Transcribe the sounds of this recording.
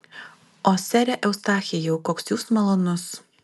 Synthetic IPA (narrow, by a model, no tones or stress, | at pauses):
oːsʲɛɾʲɛʔɛʊst̪ɑːxʲɪjɛʊkoːksjuːsmɐlˠoːnʊs